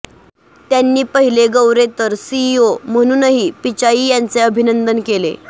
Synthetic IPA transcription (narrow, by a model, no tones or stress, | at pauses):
t̪janːiːpəɦileɡəwɾet̪əɾsiːom̤əɽ̃uːnəɦiːpit͡ɕaiːjant͡seəbʱinənd̪ənkelḛ